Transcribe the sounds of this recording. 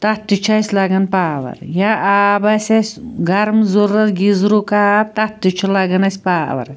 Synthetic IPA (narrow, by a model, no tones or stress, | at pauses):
t̪ɐt̪ːit͡ʃʰɐsʲlɐɡɐnpaːʋɐ̰ɾjaʔaːbɐsʲɐsʲɡɐɾmzoɾɐɾɡizɾukaːp̚t̪ɐt̪ːit͡ʃʰulɐɡɐnɐsʲpaːʋɐ̰ɾ